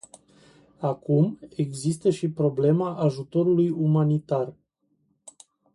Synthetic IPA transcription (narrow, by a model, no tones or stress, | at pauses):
akume̞ɡzist̪əʃipɾo̞ble̞maʔaʒut̪o̞ɾulujumanit̪ar